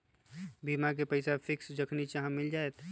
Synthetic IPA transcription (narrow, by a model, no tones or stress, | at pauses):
bimak̬epəɪsapʰɪksd͡ʒəkʰnit͡ʃaɦãmɪld͡ʒaet̪